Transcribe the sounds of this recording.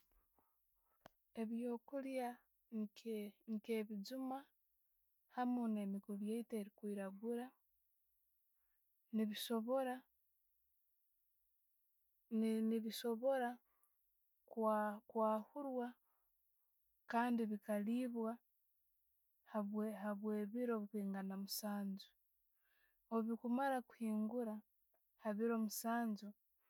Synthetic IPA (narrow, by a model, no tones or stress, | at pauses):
e̞βjo̞ːkulja | ŋkeŋkeːβid͡ʒuma | hamuneːmikuɾjeiteːɾikwiːɾaɡuɾa | niβisoβoɾa | niβiso̞βo̞ɾa | kkwaːhuɾwa | kaːndiβikaliːβwa | haβehaβwe̞ːβiɾo̞βikwiːŋɡanamusaːɲzu | oβikumaɾaku̥hiːŋɡuɾa | haβiɾo̞musaːɲzu